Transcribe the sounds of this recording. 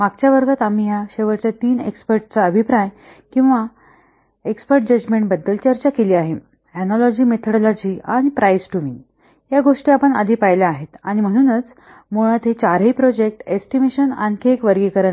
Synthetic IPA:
maɡt͡ɕjaʋəɾɡat̪amiːjaɕeʋəɾt͡ɕat̪iːnḛkspəɾʈt͡saəbʱipɾaj | kĩw̃ʋa | ekspəɾʈ̚d͡ʑəd͡ʑmeɳʈ̚bəd̪ːəlt͡ɕəɾt͡ɕakeliːaɦe | ɛnɔlɔd͡ʑiːmet̪ʰəɽlɔd͡ʑiːaɽ̃ipɾajsʈuʋiŋ | jaɡoʂʈiapəɳa̰d̪ʱiːpajlaːɦet̪aɽ̃im̤əɽ̃uːnət͡s | moɽ̃at̪ʰet͡ɕaɾɦəipɾɔd͡ʑek̚ʈesʈimeɕəna̰nkʰekʋəɾɡekəɾə

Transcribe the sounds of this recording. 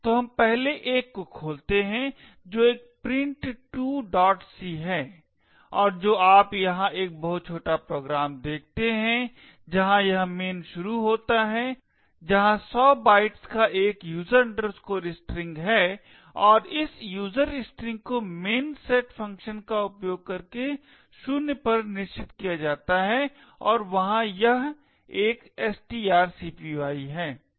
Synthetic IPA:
t̪oːɦɐmpɛɦleʔeːkːokʰoːlt̪eɦɛ̃ | d͡ʒoːeːk̚pɾɪ̃ɳʈʈuːɖɔːʈsiɦɛː | ɔːɾd͡ʒoːaːpjɐɦãʔeːk̚bɐɦʊt̪̚t͡ʃʰoːʈapɾoːɡɾaːmd̪eːk̚ʰt̪eɦɛ̃ | d͡ʒɐɦãjɐɦmeːnʃʊɾuɦoːt̪aɦɛ | d͡ʒɐɦãsɔːbaːɪʈskaʔeːkjuːzəɾɐ̃ɳɖəɾskoːɾɪsʈɾɪ̃ŋɡɦɛː | ɔːɾɪsjuːzəɾɪsʈɾɪ̃ŋɡ̚komeːnsɛːʈfɐ̃ŋkʃənkaʊpjoːɡ̚kɐɾke | ʃʊnpɐɾnɪʃt͡ʃɪt̪kijad͡ʒaːt̪aɦɛ | ɔːɾʋɐɦãjɐɦ | eːkɛsʈiaːɾsiːpiʋaːiɦɛː

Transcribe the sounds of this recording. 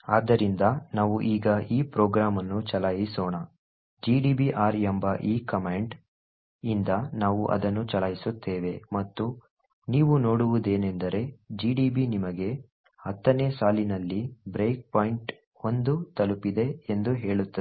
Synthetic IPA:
aːd̪ːɐɾind̪ɐnaːʋuʔiːɡɐiːpɾoːɡɾaːmɐnːut͡ʃɐlajisɔːɳɐ | d͡ʒiːɖiːbiʔaːɾembɐʔiːkɐmeːɳɖ | ind̪ɐnaːʋuʔɐ̰d̪ɐnːut͡ʃɐlɐjisut̪ːeːʋe̞mɐt̪ːu | niːʋuno̞ːɽuʋud̪e̞ːnend̪ɐɾe̞d͡ʒiːɖiːbinimɐɡe̞ | ɐt̪ːɐneːsaːlinɐlːibɾe̞ːk̚paːjiɳʈ | o̞nd̪ut̪ɐlupid̪e̞end̪uɦe̞ːɭut̪ːɐ

